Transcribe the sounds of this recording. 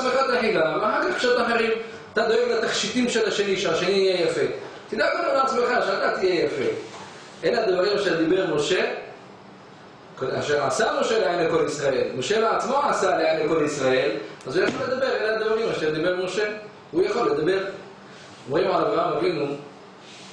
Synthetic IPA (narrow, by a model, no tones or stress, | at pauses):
meχat̪aħilamaχħaʁkaχkʃat̪maħeʁim | at̪ad̪oeɡlat̪aχʃit̪imʃelaʃeniʃeaʃeniijejafe̞t̪id̪akanaleat͡smeχaʃeat̪at̪ijejafe | ʔelead̪vaʁimaʃeʁd̪ibe̞ʁmo̞ʃe̞ | koa̰ʃeʁasamo̞ʃeleanleko̞lisʁaʔe̞lmo̞ʃeleat͡smo̞asaleanleko̞lisʁae̞lazujaχoled̪abe̞ʁelehad̪vaʁimaʃeʁd̪ibe̞ʁmo̞ʃe̞ | hujaχo̞lːed̪abe̞ʁ | omʁimʕalavʁaamavinu